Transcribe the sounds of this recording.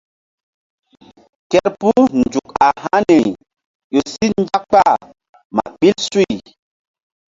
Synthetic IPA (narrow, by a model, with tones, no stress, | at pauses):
kɛ˦ɾpu˦nd͡ʒu˨ka˨ha˦ni˨ | jo˨si˦n˦d͡ʒa˦kk͡pa˦˨ | ma̰˨ɓi˦lsu˦i˨